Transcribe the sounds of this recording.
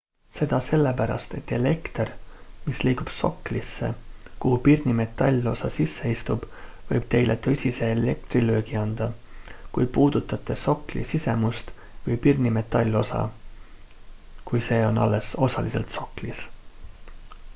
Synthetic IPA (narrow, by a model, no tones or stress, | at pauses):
se̞d̪̥ɑse̞lːepæɾɑ̰st̪et̪ːe̞le̞kt̪ermisliːɡub̥so̞kːlisːḛkuhupirnʲime̞t̪ːˑɑlʲːo̞sɑsisːe̞ist̪ub̥ | vɤ̰jb̥̚t̪e̞jlʔe̞t̪ɤ̞sʲise̞ːle̞k̚t̪riløːɡiɑnd̪̥ɑ | kujpuːd̪̥ut̪ːˑɑt̪ːˑe̞so̞klḭsise̞must̪ | vɤjpirnime̞t̪ːˑɑlʲːo̞sɑ̰ | kujse̞ːo̞nɑ̰lːe̞so̞sɑlise̞lt̪so̞klis